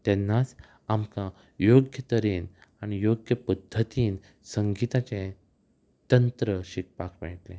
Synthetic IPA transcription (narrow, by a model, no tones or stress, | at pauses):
t̪ɛ̃nːat͡s | amka | joɡjət̪əɾinaɽ̃ijoɡjəpəd̪ʱːət̪iːn | səŋɡit̪at͡ɕẽ | t̪ənt̪ɾəɕik̚pakʋɛ̰ʈlɛ̃